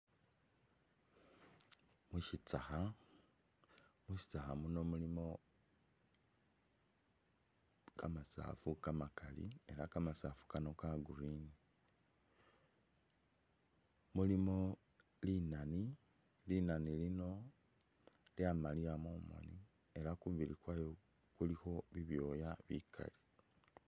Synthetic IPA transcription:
muʃit͡saxa | muʃi̥t͡saxamuno̞mulimo̞ | kʰamasa̰ːfukamakalḭe̞lakamasaːfu̥kano̞kaɡuɾini | mulimo̞ | linani | linanilino̞ | ljamaliamomo̰ni | e̞ɾakumvilikwajo | kulixo̞βiβjo̞jaβḭkʰa̰li̥

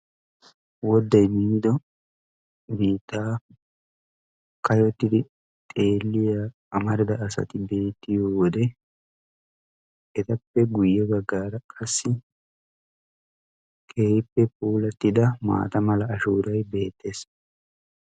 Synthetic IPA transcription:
wɔd̪ːɐjmiːd̪ɔ | biːt̪ːaː | kɐjɔt̪ːɪd̪ɪ | tt̪ʼeːlːɪja | ɐmɐɾɪd̪ɐːsɐ̰t̪ɪbe̞ːt̪ːɪjoːwɔd̪ɛ | ʔɛt̪ɐpːɛɡʊjːɛbɐɡːaːɾɐkʼɐsːɪ | kʼeːhɪpːɛpʼuːlɐt̪ːɪd̪ɐma̰ːt̪ɐmɐlɐːʃuːɾɐjbe̞ːt̪ːe̞ːs

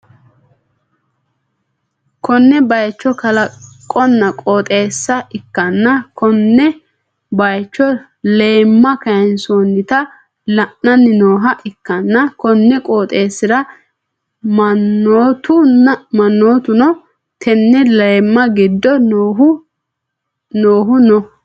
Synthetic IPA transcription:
kɔnːɛbɐjt͡ʃːɔkɐlɐkʼːɔnːɐkʼoːt̪ʼe̞ːsːɐʔɪkːɐnːɐkʰɔnːɛ | bɐjt͡ʃːɔ | leːmːɐkɐjnsonːɪt̪ɐ | lɐʔːɐnːɪnoːɦɐʔɪkːɐnːɐkɔnːɛkʼoːt̪ʼeːsːɪɾɐ | mɐnːoːt̪ʊmɐnːoːt̪ʊnɔ | t̪ʰɛnːɛleːmːɐɡɪd̪ːɔɦʊ | noːɦʊnɔ

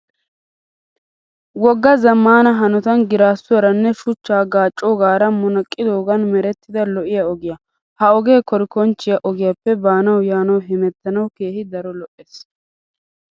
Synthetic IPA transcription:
wɔɡːɐzɐmːaːnɐɦɐnɔt̪ɐnɡɪɾaːsːʊɐɾɐnːɛʃʊt͡ʃːaːɡaːt͡ʃʼːɔɡaːɾɐmɔnɐkʼːɪd̪oːɡɐnmɛɾɛt̪ːɪd̪ɐlɔʔɪjɐɔɡɪjɐ | hɐɔɡe̞ːkɔɾɪkɔnt͡ʃːɪjɐʔɔɡɪjɐpːɛbaːnɐwjaːnɐwɦɪmɛt̪ːɐnɐwke̞ːhɪd̪ɐɾɔlɔʔeːs

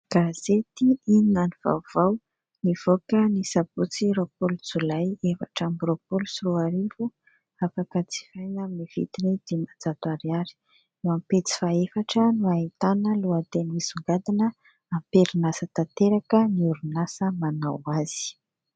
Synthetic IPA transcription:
ɡ̥az̥et̪iininaniv̥a̰v̥aw | niv̥okənisabut͡siɾopolud͡zulajefa̰ʈ͡ʂambuɾopolusiɾuaɾivu | afakət͡si̥fajnaminiv̥ḭt̪inid̪̥imad͡zat̪uaɾiaɾi̥ | ewampet͡si̥faefaʈ͡ʂənuait̪anəluat̪enizuŋɡad̪inə | ampeɾinasət̪at̪eɾakəniuɾunasəmanawaz̥i̥

